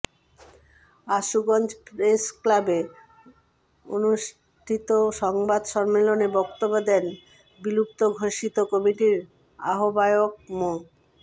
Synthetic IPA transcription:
aʃuɡɔnd͡ʑpɾesklabe | o̰nuʃ | ʈʰit̪oʃɔŋbad̪ʃɔɾmelonebɔkt̪obːod̪ɛn | bilup̚t̪oɡʱoʃit̪okɔmiʈiɾ | a̰ɦobaeok̚mo

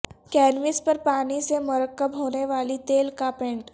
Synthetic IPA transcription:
kɛːnʋɪspəɾpaːnisemʊɾəkːəbɦoːneʋaːlit̪eːlkapẽɳʈ

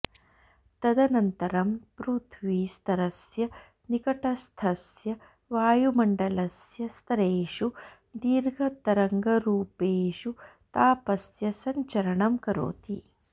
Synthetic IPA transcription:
t̪ɐd̪ɐnɐnt̪ɐɾɐmpɾut̪ʰʋiːst̪ɐɾɐsjɐ | nikɐʈɐst̪ʰɐsjɐ | ʋaːjumɐɳɖɐlɐsjɐst̪ɐɾeːʂu | d̪iːɾɡʱɐt̪ɐɾɐŋɡɐɾuːpeːʂu | t̪aːpɐsjɐsɐɲt͡ʃɐɾɐɳɐmkɐɾo̰ːt̪i

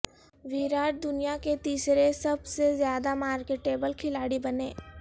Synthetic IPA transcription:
ʋiːɾaːʈ̚d̪ʊnijaket̪iːsɾesɐbsezjaːd̪amaːɾkeːʈeːbəlkʰɪlaːɽibɐneː

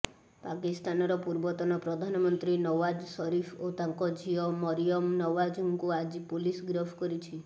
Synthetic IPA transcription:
pakist̪anɔɾɔpuɾbɔt̪ɔnɔpɾɔd̪ʱanɔmɔnt̪ɾinɔwad͡ʒsɔɾipʰot̪aŋkɔd͡ʒiɔmɔɾijɔmnɔwad͡ʒuŋkuad͡ʒipolisɡɾɔpʰkɔɾit͡ʃʰi

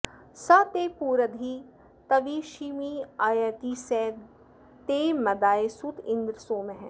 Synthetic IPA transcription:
sɐt̪eːpuːɾəd̪ʱi | t̪ɐʋiːʃiːmiajət̪isɛːd̪ | t̪eːmɐd̪aːesut̪ɪ̃nd̪ɾəsoːmẽɦɛ̃ː

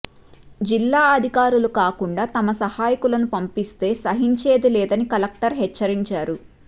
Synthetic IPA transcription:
d͡ʒilːaːɐd̪ʱikaːɾulukaːkuɳɖaːt̪ɐmɐsɐhaːjikulɐnupɐmpist̪e̞ːsɐɦiɲt͡ʃe̞ːd̪ilɛːd̪ɐnikɐlɐk̚ʈɐɾɦɛt͡ʃːɐɾiɲt͡ʃaːɾu

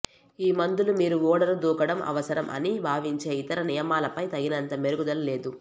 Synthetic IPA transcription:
iːmɐnd̪ulumiːɾuʋɔːɽɐɾud̪uːkɐɽɐmʔɐ̰ʋɐsɐɾɐmʔɐ̰nibʱaːʋiɲt͡ʃe̞ːit̪ɐɾɐnijɐmaːlɐpɐjt̪ɐɡinɐnt̪ɐmeɾuɡud̪ɐlle̞ːd̪u

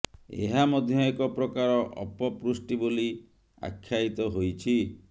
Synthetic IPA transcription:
ḛɦamɔd̪ʱjɔekɔpɾɔkaɾɔʔɔ̰pɔpɾusʈiboli | a̰kʰːjait̪ɔɦojt͡ʃʰi

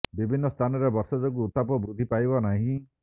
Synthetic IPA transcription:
bibʱinːɔst̪ʰanɔɾebɔɾsɔd͡ʒɔk̬uːt̪apɔbɾud̪ʱipajbɔnaɦĩ

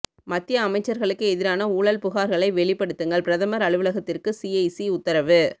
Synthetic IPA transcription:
mɐt̪ːɪjɐːmɐɪt͡ʃːɐɾɣɐɭɯkːɯɛðɪɾaːnɐuːɭɐlpʊɣaːɾɣɐɭɐɪʋɛɭɪpːɐɽɯt̪ːɯŋɡɐɭpɪɾɐðɐmɐɾɐɭɯʋɯɭɐɣɐt̪ːɪrkɯsiɐɪsiʊt̪ːɐɾɐʋɯ

